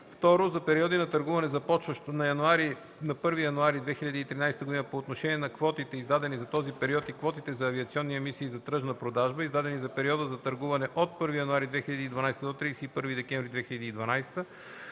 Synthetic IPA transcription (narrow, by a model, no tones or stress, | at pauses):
ft̪ɔɾozɐpɛɾiɔd̪inɐt̪əɾɡuvɐnɛzɐpɔt͡ʃvəʃt̪onɐjɐnuaɾi | nɐpɤɾvijɐnuaɾid̪vɛxiʎʲɐd̪iːt̪ɾinajst̪əɡod̪inəpoːt̪noʃɛniɛnɐkvɔt̪it̪ɛizd̪ad̪ɛnizɐt̪ɔzipɛɾiɔt̪ikvɔt̪it̪ɛzɐːviɐt̪siɔnːiɛmisiːzɐt̪ɾɤʒnəpɾod̪aʒbəizd̪ad̪ɛnizɐpɛɾiɔd̪əzɐt̪əɾɡuvɐnɛʔot̪̚pɤɾvijɐnuaɾid̪vɛxiʎʲɐd̪iːd̪vɐnajst̪əd̪ot̪ɾiɛsɛipɤɾvid̪ɛkɛɱvɾid̪vɛxiʎʲɐd̪iːd̪vɐnajst̪ə